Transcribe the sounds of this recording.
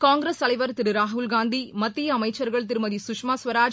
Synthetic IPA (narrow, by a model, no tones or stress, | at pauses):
kaːŋɡɾest̪ɐlɐɪʋɐɾt̪ɪɾɯɾaːɦʊlɡaːnd̪imɐt̪ːijɐɐmɐɪt͡ʃːɐɾɣɐɭt̪̬ɪɾɯmɐðisʊkʂmaːsʋɐɾaːd͡ʒ